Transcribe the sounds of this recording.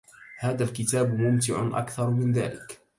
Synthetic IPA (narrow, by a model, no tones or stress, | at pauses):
haːðalkɪt̪aːbmʊmt̪ɪʕʊ̰ʔa̰kθɑɾˤmɪnða̰ːlɪk